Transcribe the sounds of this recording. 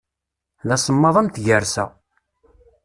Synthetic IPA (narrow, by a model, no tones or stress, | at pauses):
læsˤəmːɑðˤæmt̪ʝəɾsæ̰